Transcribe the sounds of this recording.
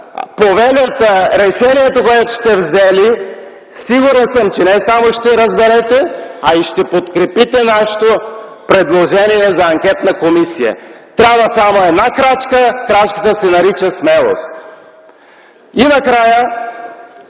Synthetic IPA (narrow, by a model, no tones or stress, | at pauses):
povɛlʲət̪əɾɛʃɛniɛt̪okoɛt̪o̥ʃt̪ɛvzɛli | siɡuɾɛnsəmt͡ʃɛnɛsamoʃt̪ɛɾəzbɛɾɛt̪ɛɐiʃt̪ɛpot̪kɾɛpit̪ɛnaʃo̥t̪o | pɾɛd̪lˠoʒɛniɛzɐːŋkʲɛt̪nəkomisijə̰t̪ɾʲabvəsamoɛd̪nakɾat͡ʃkəkɾat͡ʃkə̥t̪əsɛnɐɾit͡ʃəsmɛlˠo̰st̪ | inɐkɾajə